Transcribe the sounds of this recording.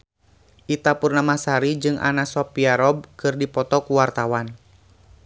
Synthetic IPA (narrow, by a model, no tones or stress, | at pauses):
ʔit̪apurnamasaɾid͡ʒɨŋʔa̰nasɔpiaɾɔb̚kɨrdipɔt̪ɔkuwart̪awan